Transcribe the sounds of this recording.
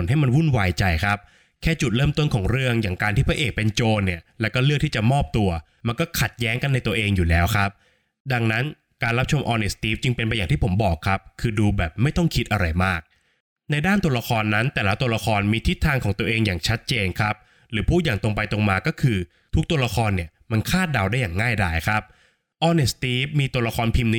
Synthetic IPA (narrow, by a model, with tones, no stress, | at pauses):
nɦa˥˩jma˧nwu˥˩nwaː˧jt͡ɕa˧jkʰa˦˥p̚ | kʰɛː˥˩t͡ɕu˨˩t̪̚ɾɤː˥˩mt̪o˥˩nkʰɔː˩˦ŋɾɯ˥˩əŋjaː˨˩ŋkaː˧nt̪ʰiː˥˩pʰa˦˥ʔeː˨˩k̚pe˧nt͡ɕoː˧nːi˥˩ɐlɛː˦˥wkɔː˥˩lɯ˥˩k̚t̪ʰiː˥˩t͡ɕa˨˩mɔː˥˩p̚t̪u˧ɐ | ma˧nkɔː˥˩kʰa˨˩t̪̚jɛː˦˥ŋka˧nːa˧jt̪u˧ɐʔeː˧ŋjuː˨˩lɛː˦˥wkʰɾa˦˥p̚ | da˧ŋna˦˥n | kaː˧nɾa˦˥p̚t͡ɕʰo˧mʔɔː˧ne˦˩st̪iː˦˥p̚t͡ɕɯ˧ŋpe˧npa˧jaː˨˩ŋt̪ʰiː˥˩pʰo˩˦mbɔː˨˩kʰːa˦˥p̚kʰɯː˧duː˧bɛː˨˩p̚ma˥˩jt̪ɔ˥˩ŋkʰi˦˥t̪̚ʔa˧ɾa˧jmaː˥˩k̚ | na˧jdaː˥˩nt̪u˧la˧kʰɔː˧nːa˦˥nt̪ɛː˨˩la˦˥t̪u˧ɐla˧kʰɔː˧nmiː˧t̪ʰi˦˥t̪ʰːaː˧ŋkʰɔː˩˦ŋt̪u˧ɐʔeː˧ŋjaː˨˩ŋt͡ɕʰa˦˥t̪̚t͡ɕeː˧nkʰa˦˥p̚ | ɾɯː˩˦pʰuː˥˩jaː˨˩ŋt̪o˧ŋp̬a˧jt̪o˧ŋmaː˧kɔː˥˩kʰɯː˧ | t̪ʰu˦˥k̚t̪u˧ɐla˧kʰɔː˧nːi˥˩ɐma˧nkʰaː˥˩t̪̚da˧wdaː˥˩jaː˨˩ŋːaː˥˩jdaː˧˩jkʰɾa˦˥p̚ | ʔɔː˧ne˨˩st̪iː˦˥p̚miː˧t̪u˧ɐla˧kʰɔː˧npʰi˧mni˦